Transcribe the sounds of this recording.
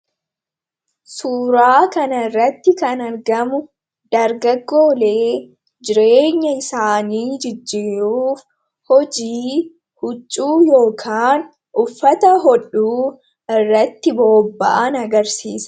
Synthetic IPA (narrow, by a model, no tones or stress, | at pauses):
suːɾaːkɐnɐɪrːɐt̪ːɪkɐnɐɾɡɐmʊ | d̪̥ɐɾɡɐɡːo̞ːle̞ː | d͡ʒɪɾeːɲːɐɪsaːniːd͡ʒɪd͡ʒːiːɾuːf | hɔd͡ʒiː | hʊt͡ʃʼːuːjo̞ːkʰaːn | ʔʊfːɐt̪ɐɦɔᶑːuː | ɪrːɐt̪ːɪbo̞ːbːɐ̰ʔɐnɐɡɐɾsiːsɐ̥